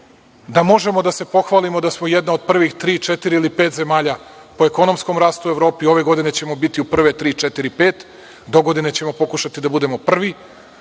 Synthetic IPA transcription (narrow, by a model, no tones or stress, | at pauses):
d̪amo̞ʒe̞mo̞d̪ase̞po̞xʋaːlimo̞d̪asmojed̪nao̞d̪̚pr̩ʋixt̪ɾiːt͡ʃet̪iɾiilipeːt̪ze̞maːʎa | po̞eko̞nomsko̞mɾaːst̪ue̞ʋɾo̞ːpio̞ʋe̞ɡo̞d̪ine̞t͡ɕe̞mo̞bit̪iupr̩ʋe̞t̪ɾiːt͡ʃet̪iɾipeːt̪ | d̪o̞ɡo̞d̪ine̞t͡ɕe̞mo̞po̞kuʃat̪id̪abud̪e̞mo̞pr̩ʋi